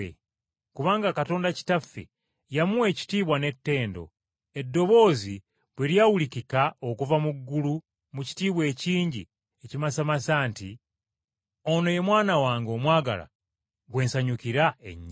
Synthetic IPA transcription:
ḛ | kuβaːŋɡakato̞ːndaci̥tafḛ | jamuwe̞ːci̥tiːβwane̞tːe̞ːndo̞̰ | e̞dːo̞βo̞ːzi | βweɾjawulikikaokuvamuɡːulu | muci̥tiːβwe̞ːciːɲɟḭ | ecimasamasaːnti | ono̞je̞mwaːnawaːŋɡo̞mwaːɡa̰la̰ | ɡwe̞ːnsaɲukiɾaḛɲː

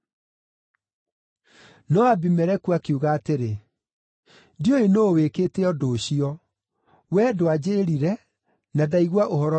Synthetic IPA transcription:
nɔabimɛɾɛkuakiuɣaːteɾe | dioenoweketeɔdoːɕiɔ | wɛdoad͡ʑeɾiɾɛ | naðaiɣwaʔohɔɾɔ

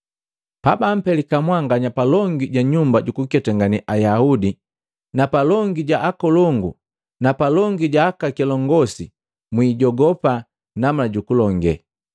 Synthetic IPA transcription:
pabam̩pɛlikamwaŋɡaɲapalɔŋɡiɟaɲumbaɟukukɛtaŋɡaniʔajaudi | napalɔŋɡiɟaʔakɔlɔŋɡu | napalɔŋɡiɟaːkakɛlɔŋɡɔsi | mwiːɟɔɡɔpa | nam̩laɟukulɔŋɡɛ̰

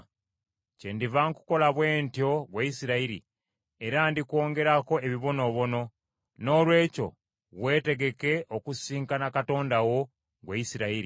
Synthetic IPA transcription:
ce̞ndivaŋku̥ko̞laβwe̞ːntjo̞ɡwaisiɾaiɾḭ | eɾandikwo̞ːŋɡe̞ɾako̞e̞βiβo̞no̞βo̞no̞ | no̞ːlwe̞ːco̞̰ | βwe̞ːte̞ɡe̞ke̞ʔokusiːŋkanakato̞ːndawo̞ | ɡwajisiɾaiɾi

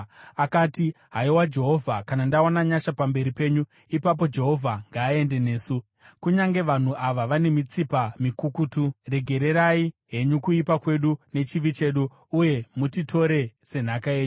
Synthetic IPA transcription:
akaːti | ɦaiwad͡ʒe̞ɦo̞vʱakanandaonaɲaʃapambe̞ɾipe̞ːɲu | ipap̬o̞d͡ʒe̞ɦo̞vʱaŋɡaːe̞nde̞ne̞ːsu | kuɲaŋɡe̞ʋan̤uʔaʋaʋane̞mit͡sipamikukuture̞ɡʱe̞ɾe̞ɾaiɦe̞ɲukuipakwe̞ɗune̞t͡ʃiʋit͡ʃe̞ɗuː | je̞mutitʰo̞ɾe̞se̞n̤akae̞ːɲuu

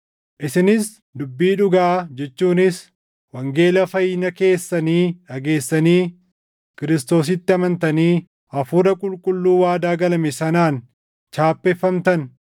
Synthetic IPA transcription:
ʔɪsɪnɪs | d̪ʊbːiːᶑʊɡaːd͡ʒɛt͡ʃːuːnɪs | wɐŋɡe̞ːlɐfɐjɪnɐke̞ːsːɐniːᶑɐɡe̞ːsːɐniː | kɪɾɪst̪o̞ːs̬ɪt̪ːɪɐmɐnt̪ɐniː | ʔɐfʊɾɐkʼʊlkʼʊlːuːwaːd̪aːɡɐlɐmɛsɐnaːn | t͡ʃaːpːɛfːɐmt̪ɐn

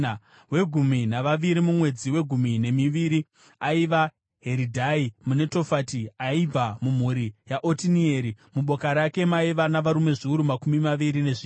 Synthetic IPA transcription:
we̞ɡʱuminaʋaʋiɾimumwe̞d͡ziwe̞ɡʱumine̞miʋiɾi | aiʋa | ɦe̞ɾidʱaimune̞to̞fatiaib͡vamum̤uɾijaʔotinieɾimuɓo̞kaɾake̞maiʋanaʋaɾume̞ʐiuɾumakumimaʋiɾine̞ʐiː

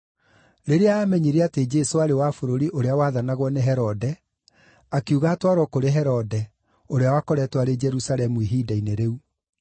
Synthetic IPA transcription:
ɾeɾeaaːmɛɲiɾeated͡ʒɛsoaɾewafoɾoɾiʔoɾeawaðanaɣwɔneɦɛɾɔdɛ | akeuɣaːtwaɾwɔkoɾeɦɛɾɔdɛ | oɾeawakɔɾɛtwaɾed͡ʒɛɾusalɛmuiɦiːdaineɾeu

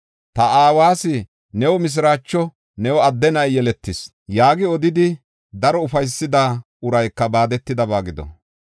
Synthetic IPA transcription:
t̪ɐaːwaːsɪ | nɛwɔmɪs̬ɾaːt͡ʃːɔ | nɛwɔɐd̪ːɛnɐjjɛlɛt̪ːɪs | jaːɡɪɔd̪ɪd̪ɪ | d̪ɐɾɔʊfɐjsːɪd̪a | ʊɾɐjkːɐbaːd̪ɛt̪ːɪd̪ɐbaːɡɪd̪ɔ̰

